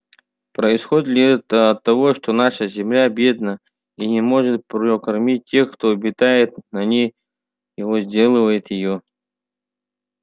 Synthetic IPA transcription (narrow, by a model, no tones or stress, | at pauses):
pɾəɪsxo̞dʲɪt̪lʲɪɛt̪əɐt̪ːɐvo̞ʂt̪onaʂəzʲɪmlʲabʲe̞d̪nə | inʲɪmo̞ʐɨt̪̚pɾokɐrmʲit̚ʲtʲːe̞xkt̪oɐbʲɪt̪ajɪt̪nɐnʲej | ɪvozʲdʲe̞lˠɨvəjɪt̪jɪjo